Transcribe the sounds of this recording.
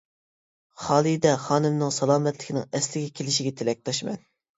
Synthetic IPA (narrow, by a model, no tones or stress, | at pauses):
χɑːlˠid̪ɛχɑːnɨmnɨŋsɑlˠɑːmɛt̪ʰlɪ̥kʲʰinɪ̰ŋɛslɪɡʲɛkʲʰelɪʃiɡʲɛt̪ʰelɛk̚ʲt̪ʰɑʃmɛ̰n